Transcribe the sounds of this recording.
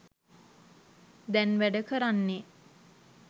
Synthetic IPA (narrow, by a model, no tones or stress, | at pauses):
d̪ɛnʋæɖəkəɾanːe